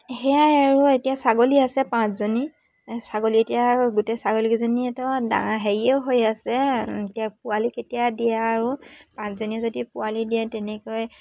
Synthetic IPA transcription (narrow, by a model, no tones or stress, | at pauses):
hɛjaaɹuetijasaɡoliasɛpãszoni | saɡolietijaɡutɛsaɡolikizoniɛtɔda̰ŋaɦeɹiɛʊɦojasɛetiap̚ʊaliketijadiɛːɹupãszoniɛzodipʊwalidiɛtɛnɛkɔj